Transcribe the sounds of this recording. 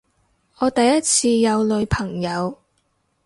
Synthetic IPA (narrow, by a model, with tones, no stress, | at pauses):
ɔː˨˧t̪ɐ˨jjɐ˥t̚t͡sʰiː˧jɐ˨˧wlɵ˨˧pʰɐ˨˩ŋjɐ˨˧w